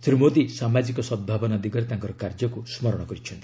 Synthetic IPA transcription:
t̪ɾimod̪isamad͡ʒikɔsɔd̪bʱabɔnad̪iɡɔɾet̪ãŋkɔɾɔkaɾd͡ʒɔkusmɔɾɔɽ̃ɔkɔɾit͡ʃʰɔnt̪i̥

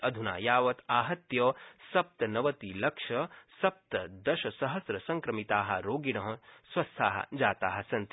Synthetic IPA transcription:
ɐd̪ʱuna̰ːjaːʋɐt̪aːɦɐt̪jɐsɐp̚t̪ɐnɐʋɐt̪ilɐkʂɐsɐp̚t̪ɐd̪ɐʃɐsɐɦɐsɾɐsɐŋkɾɐmit̪aːɦɐ̰̆ɾoːɡiɽ̃ɐɦɐ̃swɐst̪ʰaːɦɐ̰d͡ʒaːt̪aːɦɐ̆sɐnt̪

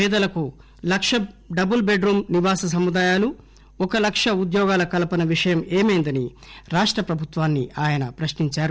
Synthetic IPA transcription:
pɛːd̪ɐlɐku | lɐkʂɐɖɐbulbeɖɾuːmniʋaːsɐs̬ɐmːud̪aːjaːlu | ɔkɐlɐkʂɐud̪jɔːɡaːlɐkɐlɐpɐnɐʋiʂɐjɐmeːmeːnd̪ɐniɾaːʂʈɾɐpɾɐbʱut̪ʋaːnːiaːjɐnɐpɾɐʃniɲt͡ʃaːɾu

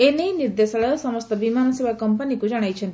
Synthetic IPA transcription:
eneniɾd̪esɐɭjɔsɐməst̪əbimanɐsebʱakɐmpənikud͡ʒɐɽ̃ajt͡ʃʰent̪

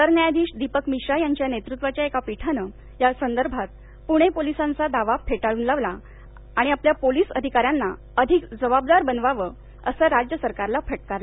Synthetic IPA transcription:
t̪əɾnjajd̪iːɕd̪ipəkmiɕajaɲt͡ɕjanet̪ɾut̪ʋat͡ɕjaekapiʈʰanə | jasənd̪əɾbʱat̪̚ | puɽ̃epolisãnt͡sad̪aʋafʰeʈaɭuːnlaʋla | aɽ̃iapljapoliːsəd̪ʱikaɾjanːa | əd̪ʱikd͡zəbab̚d̪aɾbənʋaʋə | ə̰səːɾad͡ʑjəsəɾkaɾlafʰəʈ̚kaɾla

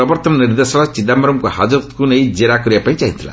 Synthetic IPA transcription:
ɾɐbɐɾt̪ɐmniɾd̪esɐlɐt͡ʃid̪ambɐɾɐmkuhaːd͡ʒɐɾt̪kunejid͡ʒiɾaːkuɾjɐpɐjt͡ʃɛjint̪ʰula̰

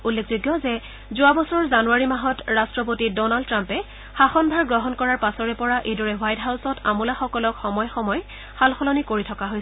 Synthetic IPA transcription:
ulːekʰzojɡjɔzɛ | zʊabɔsɔɹɔɹzanuaɹimaɦɔtɹastɹɔp̬otidɔnaldtːɹampɛ | xaxɔnbʱaɹɡɹɔɦɔnkɔɹaɹpasɔɹɛpɔɹaʔejdɔɹɛwajtɦawsɔta̰mulaxɔkɔlɔkxɔmɔjxɔmɔj | xalxɔlɔnikoɹitʰɔkaɦojs

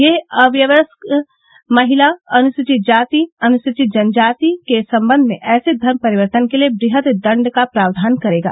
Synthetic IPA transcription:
jeɐʋjəʋəsk | mɐɦɪlaɐnʊʃɪt͡ʃɪt̪̚d͡ʒaːt̪iɐnʊʃɪt͡ʃɪt̪̚d͡ʒɐnd͡ʒaːt̪ikesɐ̃mbə̃nd̪ʱmḛ̃ʔɛːsed̪ʱɐɾmpɐɾɪʋəɾt̪ənkeliebɾɪɦət̪d̪ɐ̃ɳɖkapɾaːʋd̪ʱaːnkɐɾeːɡa̰ː

